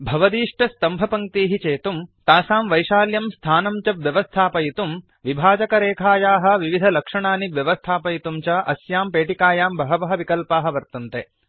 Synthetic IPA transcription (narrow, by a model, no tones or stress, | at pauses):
bʱɐʋɐd̪iːʂʈɐst̪ɐmbʱɐpɐŋkt̪iːɦit͡ʃeːt̪umt̪aːsaːmʋɐjʃaːljɐmst̪ʰaːnɐmt͡ʃɐbʋjɐʋɐst̪ʰaːpɐjit̪um | ʋibʱaːd͡ʒɐkɐɾeːkʰaːjaːɦɐ̆ʋiʋid̪ʱɐlɐkʂɐɳaːniʋjɐʋɐst̪ʰaːpɐjit̪umt͡ʃɐʔɐsjaːmpeːʈikaːjaːmbɐɦɐbɐɦɐʋikɐlpaːɦɐ̆ʋɐɾt̪ɐnt̪e